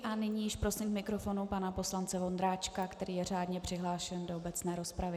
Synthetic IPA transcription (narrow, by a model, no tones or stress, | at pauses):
ʔanɪɲiːjɪʃpɾo̞slimkmɪkɾo̞fo̞nupanapo̞slant͡sɛvo̞nd̪ɾaːt͡ʃkakt̪ɛɾiːjɛr̝aːdɲɛpr̥ɪɦlaːʃɛndoobɛt͡snɛːɾo̞spɾavɪ